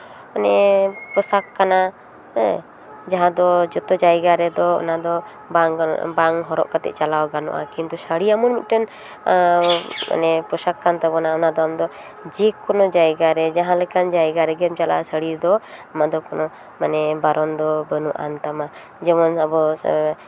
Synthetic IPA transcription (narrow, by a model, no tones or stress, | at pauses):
manɛpɾɔsakːana | d͡ʒaɦãd̪ɔd͡ʒɔt̪ɔd͡ʒajɡaɾɛd̪ɔɔ̰nad̪ɔ | babaŋɦɔɾɔ̰ʔkat̪ɛ̰ʔt͡ʃalawɡanṵʔa̰kint̪usəɽiamunmit̪̚ˀʈən | a̰nɛpɾɔsakːant̪abɔnaɔnad̪ɔamd̪ɔ | d͡ʒɛkɔnɔd͡ʒajɡaɾɛd͡ʒaɦãlɛkand͡ʒajɡaɾɛɡɛmt͡ʃala̰səɽiɾd̪ɔamad̪ɔkɔnɔ | manɛbaɾɔnd̪ɔbənuʔa̰nt̪ama | d͡ʒɛmɔnabɔ